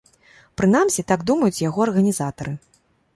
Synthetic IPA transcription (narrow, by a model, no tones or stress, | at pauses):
pɾɨnamsʲit̪aɡd̪umɐjut͡sʲjaɣɔɐrɣɐnʲizat̪ɐɾɨ